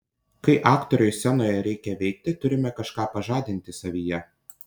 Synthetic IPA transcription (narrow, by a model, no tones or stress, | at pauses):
kɐɪʔɑːkt̪ɔɾʲʊjsʲɛnoːjɛɾʲɛɪkʲɛʋʲɛɪk̚t̪ʲɪt̪ʊɾʲɪmʲɛkɐʃkɑːpɐʒɑːd̪ʲɪnʲt̪ʲɪsɐʋʲiːjɛ